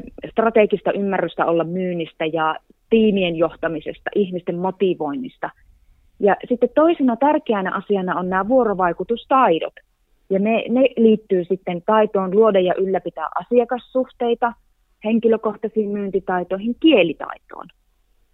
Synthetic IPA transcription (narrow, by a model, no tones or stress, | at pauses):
st̪rɑt̪ekist̪ɑʔymːærːyst̪æolːɑmmyːnːist̪æjɑ | t̪iːmienjoht̪ɑmisḛst̪ɑ̰ʔihmist̪emmot̪iʋo̞inːist̪ɑ | jɑsit̪ːet̪t̪oisinɑt̪ærkeænæ̰ʔɑsiɑnɑonnæːʋuoɾoʋɑikut̪ust̪ɑido̰t̪ | jɑneneliːt̪ːyːsit̪ːent̪ɑit̪oːnluodɑjɑʔylːæpit̪æ̰ːʔɑsiɑkɑssuht̪eit̪ɑ | heŋkiløkoht̪ɑsiːmmyːnt̪it̪ɑit̪oˑihiŋkielit̪ɑ̰it̪o̰ːn